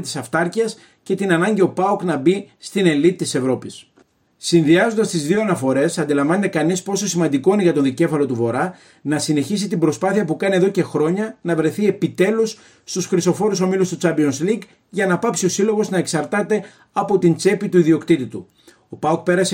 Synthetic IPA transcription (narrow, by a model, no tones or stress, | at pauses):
t̪i̥sɐft̪ɐɾciɐs | ce̞t̪inɐnɐɲɟio̞pɐuknɐbist̪ine̞lit̪t̪ise̞vɾo̞pis | sinðiɐzond̪ɐst̪izðio̞ɐnɐfo̞ɾe̞sɐnd̪ilɐɱvɐnet̪ekɐnispo̞so̞simɐnd̪iko̞ineʝɐt̪o̞nðice̞fɐlo̞t̪uvo̞ɾɐ | nɐsine̞çis̬it̪imbɾo̞spɐθiɐpukɐnie̞ðo̞ce̞xɾo̞ɲɐnɐvɾe̞θie̞pit̪e̞lusː | t̪usxɾiso̞fo̞ɾuso̞milust̪ut͡sɐmpionsliɡ | ʝɐnɐpɐpsio̞silo̞ɣo̞znɐe̞ksɐɾt̪ɐt̪e̞ | ɐpo̞t̪int͡se̞pit̪uiðio̞kt̪it̪it̪u | o̞pɐuk̚pe̞ɾɐse